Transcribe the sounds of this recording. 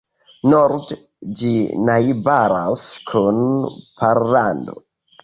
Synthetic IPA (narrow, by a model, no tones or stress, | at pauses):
noɾd | d͡ʒinajbaɾaskʰunpʰaɾlando̰